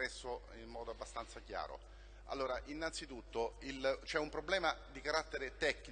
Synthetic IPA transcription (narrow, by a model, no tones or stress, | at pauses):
ɛsːo | immɔːd̪oabːast̪ant̪sacja̰ːɾo̰ | a̰lːoːɾaʔinːant̪sit̪ut̪ːoilt͡ʃɛumpɾoblɛːmad̪ikaɾat̪ːeɾet̪ɛkːn